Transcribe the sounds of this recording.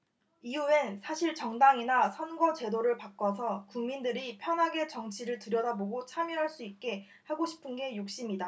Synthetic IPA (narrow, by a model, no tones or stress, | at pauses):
iuensʰaɕʰiɭt͡ɕʌŋdaŋinasʰʌnɡʌt͡ɕe̞doɾɯɭpak͈ʌs̬ʰʌkuŋmindɯɾipʰjʌnɦaɡe̞t͡ɕʌŋt͡ɕʰiɾɯɭtɯɾjʌdaboɡot͡ɕʰamjiɦaɭs͈uit̚k͈e̞ | haɡoɕʰi̥pʰɯnɡe̞juk̚ɕ͈imɲida